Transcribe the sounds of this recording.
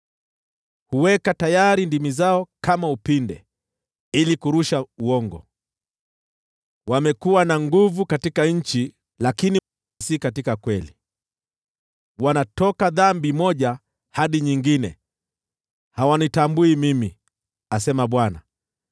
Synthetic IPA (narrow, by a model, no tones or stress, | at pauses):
huwɛkatajaɾindimizaɔkamaupindɛ̰ | ilikuɾuʃauɔŋɡɔ̰ | wamɛkuwanaŋɡuvukatikaɲ̩t͡ʃi | lakini | sikatikakwɛli | wanatɔkaðambimɔʄa | haɗiɲiŋɡinɛ | hawanitambuimimi | asɛmaɓwana̰